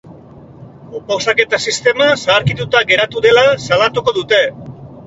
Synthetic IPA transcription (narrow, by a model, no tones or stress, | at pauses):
pawsake̞t̪asist̪e̞masaːɾkit̪ut̪aɡe̞ɾat̪uðe̞lasalat̪uko̞ðut̪e̞